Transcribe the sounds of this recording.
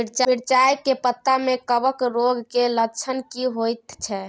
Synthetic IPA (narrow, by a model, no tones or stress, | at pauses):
iɾt͡ʃiɾt͡ʃajkepət̪ːamekəbəkɾoɡʱkelət͡ʃʰənkiɦojt̪t͡ʃʰɛ